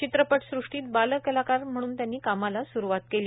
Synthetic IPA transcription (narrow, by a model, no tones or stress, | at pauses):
t͡ɕit̪ɾəpəʈsɾuʂʈiːt̪̚baləkəlakaɾm̤əɽ̃uːnt̪janːiːkamalasuɾuʋat̪keli